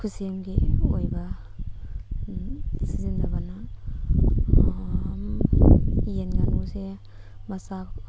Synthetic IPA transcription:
kʰusemɡiojba | sizindabana | m | jenɡanuse | basa

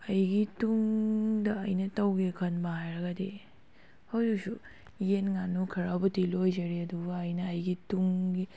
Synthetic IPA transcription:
ɐjɡituŋdɐːjnɐtɐwɡekʰɐnbaɦajɾɐɡade | hɐwdusu | jenŋanukʰɐɾabutilojzɐɾiɐduɡɐːjnɐːjɡituŋɡi

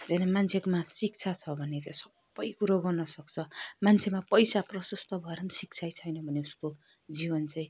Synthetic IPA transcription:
t͡sʌnamant͡sʰekomasik̚t͡sʰat͡sʰʌbʱʌnet͡saĩsʌbːʌjkuɾaɡʌrnʌsʌk̚t͡sʰʌmant͡sʰemapʌjsaprʌsʌst̪ʰʌbʱʌeɾʌmsik̚t͡sʰajt͡sʰʌjnʌbʱʌneusko | d͡zibʌnt͡saĩ

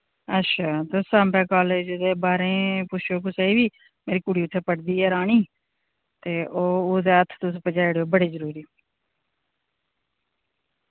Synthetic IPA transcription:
ətːʃʰaːt̪ʊsãmbɛːkaːleːd͡ʒd̪eːbaːɾẽːpʊʃʰoːkʊseiːbiː | meːɾiːkʊɽiːʊt̪ʰːeːpəɽd̪iːɦɛːɾaːɳiː | t̪eːʔoːʊd̪eːət̪ʰːt̪ʊspəd͡ʒaːiɽeoːbəɽeːzəɾuːɾiː

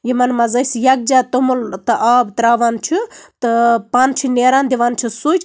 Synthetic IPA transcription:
jimɐnmɐzɐjsjɐk̚d͡ʒaːt̪omult̪ɨʔaːbt̪ɾaːʋaːnt͡ʃʰit̪ɨpaːnt͡ʃʰineːɾaːnd̪iʋaːnt͡ʃʰisut͡ʃʰ

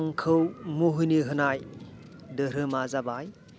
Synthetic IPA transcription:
ŋkʰɯwmuɦujniɦɯnaj | dɯɾɯmazabaj

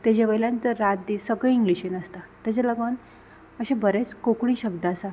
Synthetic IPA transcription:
t̪ed͡ʑaʋəjlãnt̪əɾːat̪̚d̪isəɡiiŋɡliɕenəst̪at̪at͡ɕaləɡən | əɕẽbʱəɾet͡skokɽ̃ĩːɕəɡ̚d̪aasa

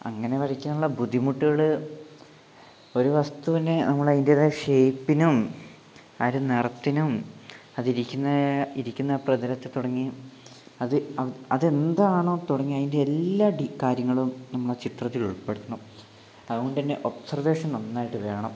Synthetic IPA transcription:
ɐ̰ŋːɐne̞ʋɐrikʲːunːuɭːɐbud̪ʱːimuʈːiɣɐɭɨ | o̞ɾuʋɐst̪ut̪ɐnːe̞nɐmːɐɭɐðindeðeʂejpːinum | aːɾunerɐt̪ːinumɐðiɾikʲːunːɐiɾikʲːunːɐprɐðɐlɐt̪ːet̪uɽɐŋːi | ɐðɨɐɐðe̞nd̪aːɳoːt̪uɽɐŋːiɐðinde̞ːlːaːɖikaːɾjɐŋːɐɭumnɐmːuɭt͡ɕit̪rɐt̪ːiluɭpe̞ɽut̪unːu | ɐðuɣoɳɖɨt̪ɐnːe̞ʔo̞psɐrʋe̞ːʂɐnonːaːjiʈːɨʋe̞ːɳɐm

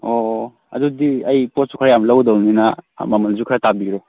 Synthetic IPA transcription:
o | ɐ̰dudiɐjpot̚su̥kʰaɾajamlɐwdowninɐ̰mamɐlzukʰɾatabiɾo

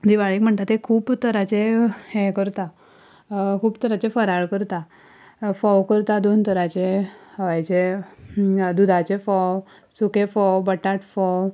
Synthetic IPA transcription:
d̪iʋaɭiːkm̤əɳt̪at̪ekʰuːpt̪əɾat͡ɕeɛ̃kəɾt̪a | kʰuːbt̪əɾat͡ɕefəɾaɭkəɾt̪a | fɔwkəɾt̪ad̪ont̪əɾat͡ɕehəʋajt͡ɕe | d̪ud̪ʱat͡ɕefɔw | sukefɔwbəʈaʈfɔw

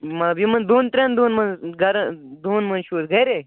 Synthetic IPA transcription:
mɐbimɐnd̪uːnt̪ɾʲãnd̪uːnmɐnɡɐɾd̪uːnmɐnʃuːsɡɐjɾe

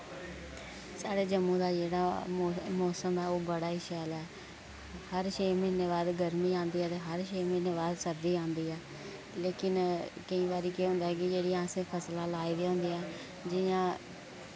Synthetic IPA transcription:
saːɽeːd͡ʒəmːũːd̪aːd͡ʒeːɽaːmɔːsəmɛːoːbəɽaːiʃaːlɛː | həɾʃeːmɪnːeːβaːd̪ɡəɾmiːãːnd̪iːɛːt̪eːɦəɾʃeːmɪneːβaːd̪səɾd̪iːãːnd̪iːɛː | leːkɪnkəĩːbaːɾiːkeːɦʊ̃ːnd̪aːɦɛːkɪd͡ʒeːɽiːãːsẽːpʰəslaːlaːiːd̪eːɦʊ̃ːnd̪iːɛː | d͡ʒɪjãː

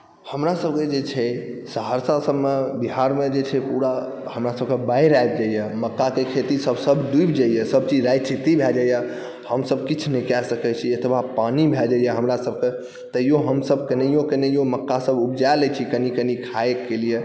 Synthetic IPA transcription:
həmɾasəb̚ked͡ʒet͡ʃʰɛsəɦəɾsasəbmebiɦaɾmed͡ʒet͡ʃʰɛpuɾa | həmɾasəb̚kebajɾajb̚d͡ʒaijɛməkːakekʰet̪isəbʱsəbʱd̪uibd͡ʒajɛsəb̚t͡ʃid͡ʒɾajt͡ʃʰit̪ibʱɛd͡ʒajɛ | həmsəb̚kit͡ʃʰnikɛsəkɛt͡ʃʰiət̪ʰbapanibʱɛd͡ʒajɛɦəmɾasəb̚ʱke | t̪əijoɦəmsəbkənəjokənəjoməkːasəbubd͡ʒalɛt͡ʃʰikənikənikʰaekːelije

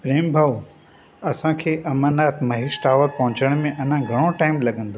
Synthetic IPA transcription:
pɾeːmbʱɐʋ | ɐsãkʰeːʔɐmənaːt̪ʰmɐɦisʈaːʋəɾpɐɦʊ̃t͡ɕəɽ̃mẽʔɐn̤ãɡʱɐɽ̃oʈaːɪmlɐɠə̃nd̪oː

